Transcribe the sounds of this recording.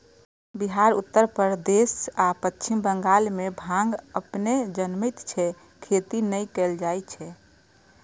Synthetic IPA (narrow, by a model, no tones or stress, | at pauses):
biɦaɾut̪ːəɾpəɾd̪esapətːt͡ʃʰimbəŋɡalmebʱãŋɡəpned͡ʒənmit̪t͡ʃʰɛ | kʰet̪inəjkɛld͡ʒajt͡ʃʰɛ